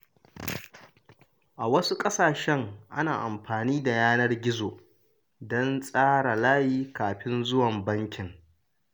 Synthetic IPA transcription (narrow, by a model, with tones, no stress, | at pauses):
ʔa˨wɐ˦su˦kʼɐ˦saː˨ʃɛ˦ŋʔa̰˦naː˨ʔa˨mɸaː˨niː˦da˨jaː˦nɐ˦rɡʲɪ˦zoː˨ | dɔ˦nsʼaː˦ɽa˨laː˦jiː˦kaː˨ɸɪ˦nzʊ˦wɐ˨mbɐ˦ŋkʲɪ˨ŋ